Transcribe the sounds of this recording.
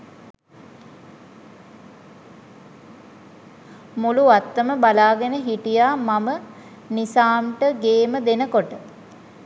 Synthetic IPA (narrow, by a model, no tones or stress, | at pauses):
muluat̪ːəməbalaːɡənəɦiʈijaːmamə | nisaːmʈəɡeːməd̪enəkoʈə